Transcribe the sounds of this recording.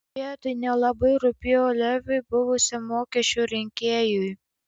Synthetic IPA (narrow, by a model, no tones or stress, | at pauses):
iːt̪ʊɪnʲɛlˠɐbɐɪɾʊpʲɪoːlʲɛʋʲʊɪbʊʋʊsʲɪmoːkʲɛʃʲt͡ʃʲuːɾʲɪŋʲkʲeːjʊj